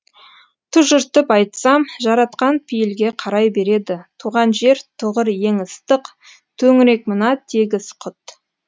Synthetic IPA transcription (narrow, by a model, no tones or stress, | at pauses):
t̪ʰʊʒʏɾt̪əpɑjt̪sɑmʒɑɾɑt̪qɑnpʰijɪlɡʲe̞qʰɑɾɑjbe̞ɾe̞d̪ɪt̪ʰuʁɑnʒe̞ɾt̪ʰʊʁəɾje̞ŋəst̪əq | t̪ʰɵŋɪɾe̞k̚mənɑt̪ʰeɡʲɪsqʰʊt̪